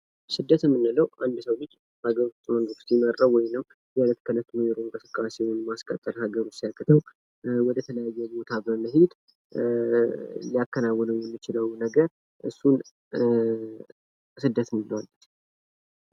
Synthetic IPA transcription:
sɨd̪ːət̪ɨmːɨnːɨləwʔand̪səwlɨt͡ʃʼː | haɡəɾust̪ʼːməŋɡ̪u̥st̪jɪməɾːəwwɔjnɨmː | jalət̪ʰkʰələt̪ʰːunojɛɾoɨŋkʼɨsɨkʼːasewnmaskʼət̪ʼːəɾhaɡəɾot͡ʃsijakːɨt̪ʰəw | wɔd̪ət̪ʰələjajːɛbo̞t̪ʰabəməɦed̪ | lijakːənawːɔnəwjɛmːɨt͡ʃɪləwnəɡəɾ | ʔɨ̰sːun | sɨd̪ːət̪ɨmɨnəwalːt̪

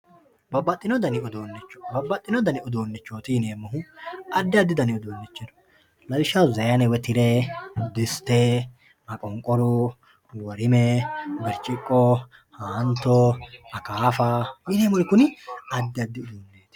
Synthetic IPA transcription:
bɐbːɐt̪ʼːɪnɔd̪ɐnɪʊd̪oːnːɪt͡ʃːɔ̥bɐbːɐt̪ʼːɪnɔd̪ɐnɪʊd̪oːnːɪt͡ʃːoːt̪ɪjɪneːmːɔɦʊɐd̪ːɪɐd̪ːɪd̪ɐnɪʊd̪oːnːɪt͡ʃːɛd̪ɔ̥ | lɐlɪʃɐwzɐjɐnɛwɛt̪ɪɾɛd̪ɪst̪e | mɐkʼɔŋkʼɔɾʊ | wɔɾɪmɛɡɛɾt͡ʃʼɪkʼːɔ | haːnt̪ːɔɐkaːfɐjɪneːmʊɾɪkːʊnɪɐd̪ːɪɐd̪ːɪʊd̪oːnːeːt̪ɪ̥

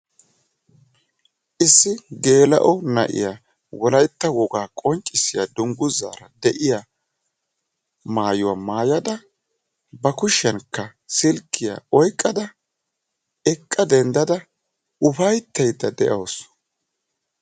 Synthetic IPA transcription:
ʔɪsːɪɡe̞ːlɐ̰ʔɔnɐ̰ʔɪ̰ja | wɔlɐjt̪ːɐwɔɡaːkʼɔɲt͡ʃʼːɪsːɪjad̪ʊŋɡʊzːa̰ːɾɐd̪ɛʔɪja | maːjʊwamaːjɐd̪ɐ | bɐkʊʃɛnkːɐsɪlkʰːɪja̰ɔjkʼːɐd̪ɐ | ɛkʼːɐd̪ɛnd̪ɐd̪ɐ | ʊfɐjt̪ːɐjd̪ːɐd̪ɛʔɐws

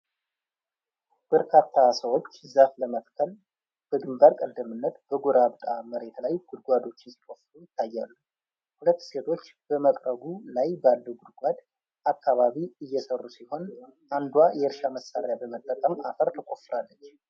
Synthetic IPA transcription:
b̥əɾkʰat̪ʰːasəwo̞t͡ʃːzafləmət̪kʰəl | b̥əɡɨmbaɾkʼəd̪ːəmɨnːət̪bəɡoɾabt̪ʼaməɾe̞t̪lajɡ̥ʊd̪ɡʷad̪o̞t͡ʃːɪnsi̥kʼofɾujɪt̪ʰːajːalːu | hulət̪ːse̞t̪ʰo̞t͡ʃːb̥əməkʼɾəbulajbalːəɡud̪ɡʷad̪ | ʔakːaβaβiɨjːɛsərːusiho̞nʔand̪wajɛɨɾʃaməsːaɾjabəmət̪ʼːəkʼəma̰fəɾt̪ʰəkʼo̞fːɨɾalːət͡ʃː

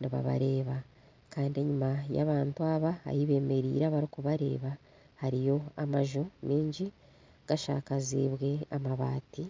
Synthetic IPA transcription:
niβa̰βa̰ɾe̞ːβa | kaːndie̞ɲumaja̰ːβaːntuaβa̰ːjiβe̞ːme̞ɾḭːɾaβaɾikuβaɾe̞̰ːβa | haɾijo̞amaʒumiːɲɟi | ɡ̥aʃa̰ːkazḭːβwe̞amaβaːti

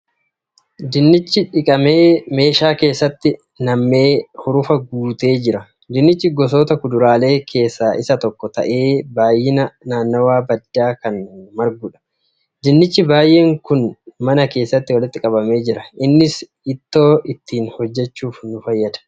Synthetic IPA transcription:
d̪ɪnːɪt͡ʃːɪᶑɪkʼɐme̞ːme̞ːʃaːke̞ːsːɐt̪ːɪ | nɐmːe̞ːhʊɾʊfɐɡuːt̪e̞ːd͡ʒɪɾɐ | d̪ɪnːɪt͡ʃːɪɡɔs̬o̞ːt̪ɐkʊd̪ʊɾaːle̞ːkʰe̞ːsːaːʔɪsɐt̪ɔkːɔt̪ɐ̰ʔe̞ːbaːjːɪnɐnaːnːɐwaːbɐd̪ːaːkɐnmɐɾɡʊᶑɐ̥ | d̪ɪnːɪt͡ʃːɪbaːjʔe̞ːŋkʊnmɐnɐke̞ːsːɐt̪ːɪwɐlɪt̪ːɪkʼɐbɐme̞ːd͡ʒɪɾɐʔɪnːɪs | ɪt̪ːo̞ːɪt̪ːiːnhɔd͡ʒːɛt͡ʃːuːfnʊfɐjːɐd̪ɐ̥

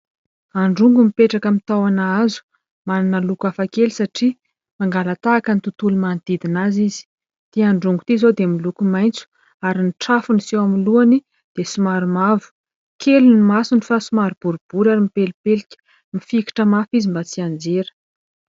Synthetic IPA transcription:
aɳɖ͡ʐuŋɡumipeʈ͡ʂakəmit̪awanaazu̥ | mananəlukafakelisaʈ͡ʂi | maŋɡalat̪aːkənit̪ut̪ulumand̪̥id̪inazizi̥ | d̪̥iaɳɖ͡ʐuŋɡut̪izod̪emilukumajnt͡su̥ | aɾiniʈ͡ʂafunisewamiluani | d̪̥esumaɾumavu̥ | kʰelinimasunifasumaɾub̥uɾub̥uɾaɾimipelipelikʲə̥ | mifiki̥ʈ͡ʂəmafizimbat͡siand͡zeɾə̥

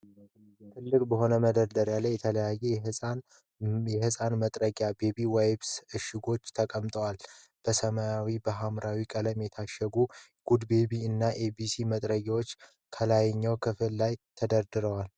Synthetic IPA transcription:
t̪ʰɨlːɨkʼbəɦo̞nəməd̪əɾd̪əɾjalːajːɛt̪ʰələjajean | jɛhɨsʼanmət̪ʼɾəɡabe̞biwajbsɨʃɪɡo̞t͡ʃːt̪ʰəkʼəmt̪ʼəwal | b̥əsəmajawibəɦamɾawikʼələmjɛt̪ʰaʃːəɡu | ɡ̥ud̪be̞biɨnːaʔebisimət̪ʼɾəɡawot͡ʃː | kʰəlajɛɲːawkʰɨfɨlːajt̪ʰəd̪əɾd̪ɨɾəwal

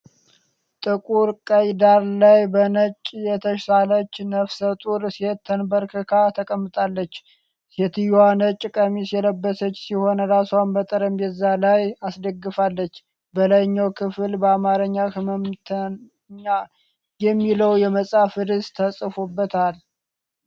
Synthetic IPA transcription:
t̪ʼɨkʼuɾkʼəjd̪aɾlajbənət͡ʃʼːjɛt̪ʰəʃsalət͡ʃːnəfsət̪ʼuɾset̪ʰːənbəɾkʰɨkʰat̪ʰəkʼəmːɨt̪ʼalːət͡ʃː | set̪ʰɨjanət͡ʃʼːkʼəmisjɛləbːəsət͡ʃːsiho̞nəɾasanbət̪ʼəɾəmbɛzalajasd̪əɡːɨfalːət͡ʃː | bəlajɲːawkʰɨflbəamaɾɨɲːakɨməmt̪ʰə | ɲa | jɛmːiləwjɛməsʼafɨd̪ɨst̪ʰəsʼɨfobːət̪ʰal

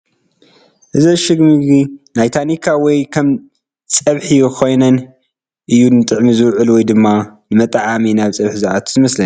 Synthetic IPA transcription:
ʔɨzɐʃɨɡmɨɡɡinajt̪ʰanikʰawɔjkʰɐm | t͡sʼɐβħikʰo̞jnɐn | ʔɨjːunɨt̪ʼɨʕmizɨwʕɨlwɔjd̪ɨmːanɨmɐt̪ʼʕaminaβt͡sʼɐβħzaʔat̪ʰzɨmɐslɐn

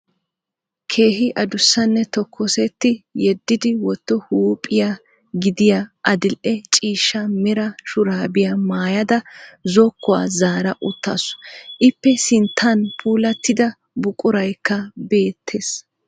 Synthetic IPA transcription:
kʰe̞ːɦɪʔɐd̪ʊsːɐnːɛt̪ɔkʰːɔsɛt̪ːɪjɛd̪ːɪd̪ɪwɔt̪ːɔhuːpʼɪja | ɡɪd̪ɪjaʔɐd̪ɪlʔɛt͡ʃʼiːʃːɐmɛɾɐʃʊɾaːbɪjɐmaːjɐd̪ɐzɔkːɔa̰ːzaːɾɐʔʊt̪ʰːa̰ːsɔ̥ʔɪpːɛsɪnt̪ʰːɐnpʰuːlɐt̪ːɪd̪ɐ | bʊkʼʊɾɐjkːɐbe̞ːt̪ʰːes

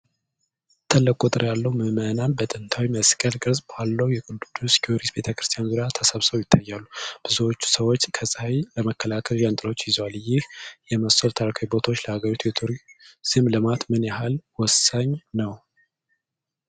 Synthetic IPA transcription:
t̪ʰəlːəkʼut̪ʼɨɾjalːəwmɨmənanbət̪ʼɨnt̪ʰawiməskʼəlkʼɨɾzʼbalːəwjɛkʼud̪d̪ːuskʰioɾisbe̞t̪ʰəkɾɨst̪ʰijanzuɾjat̪ʰəsəβsəwjɪt̪ʰːajːalːub̥ɨzuwot͡ʃːu̥səwo̞t͡ʃːkʰəsʼəhajləməkːəlakʰəljant̪ʼɨɾəwot͡ʃːjɪzwaljɪhjɛməsəlt̪ʰaɾakʰawibo̞t̪ʰaot͡ʃːləhaɡəɾit̪ʰujɛt̪ʰuɾisɨmləmat̪mɨnjaɦalwɔsaɲnəw

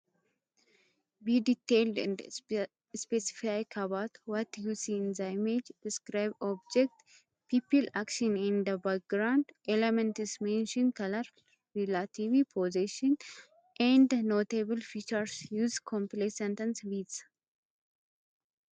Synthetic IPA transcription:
bid̪it̪eld̪ɛ̰̃nd | spɛsɪ̥faɪkʰɐbat̪wɔt̪jusinzaɪmed͡ʒd̥ɪskɾaɪbɔbd͡ʒɛk̚t̪ | piːpɪlakʃɔnɪ̃nd̪ɐbak̚ɡɾaʊndʔɛlɛmɛ̃nt̪ɪzmɛ̃nʃɔ̃nkɐlɐɾ | ɾilat̪ivipʰoziʃɔn | ʔɛ̃nd̪noːt̪ebəlfiːt͡ʃɐɾsjuːzkʰɔ̃mplesɛ̃nt̪ɐnswiːd̪s

